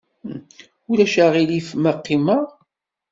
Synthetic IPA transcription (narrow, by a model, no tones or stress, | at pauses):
ulæʃaʁilifməqːiməʁ